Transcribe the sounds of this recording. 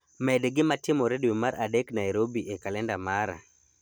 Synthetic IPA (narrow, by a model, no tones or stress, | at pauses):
mɛdɡɪmatɪmoɾedwemaɾʔadeknajɾobiʔekalɛndamaɾa̰